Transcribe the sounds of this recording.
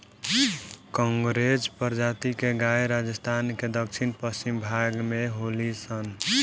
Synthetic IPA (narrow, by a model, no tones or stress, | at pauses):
kɔ̃ŋɡɾed͡ʒpəɾd͡ʒat̪ikeɡaeɾad͡ʒəst̪ʰanked̪ək̚t͡ʃʰinpəst͡ʃimbʱaɡmeɦolisən